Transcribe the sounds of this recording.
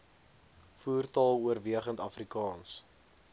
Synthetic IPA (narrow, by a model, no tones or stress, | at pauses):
fuːrtɑlˠuərviəχəntɐfrikɑːns